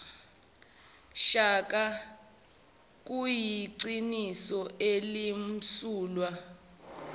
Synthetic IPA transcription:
ʃak̬ʼa | k̬ʼujiǀinisɔʔelim̩suːlwa

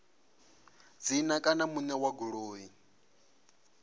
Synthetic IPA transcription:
d͡zinakʼanamunɛwaɡuɺoːi

